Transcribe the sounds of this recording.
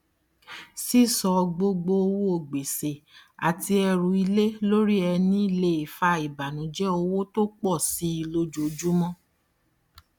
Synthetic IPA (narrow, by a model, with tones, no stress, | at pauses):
si˦˨sɔ˨˧ɡ͡bo˧ɡ͡bo˧o˧wo˦o˧˨ɡ͡be˨se˨a̰˨ti˧ɛ˧ɾũ˧i˧le˦lo˦ɾi˦ɛ˧nĩ˦i˦˨le˧i˨fa˧˦i˨ba˨nũ˨˦d͡ʒɛ˦o˧wo˦to˦k͡pɔ˦˨si˨˦i˧lo˧d͡ʒu˨˦d͡ʒu˦mɔ̃˦